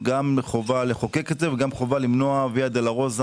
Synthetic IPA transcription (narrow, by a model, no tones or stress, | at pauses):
ɡameχovaleχokeketeveɡamχo̞valimnoaviad̪elaʁoz